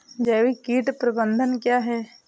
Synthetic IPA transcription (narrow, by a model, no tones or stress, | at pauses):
d͡ʒɛːʋikiːʈpɾəbə̃nd̪ʱənkjaːɦɛː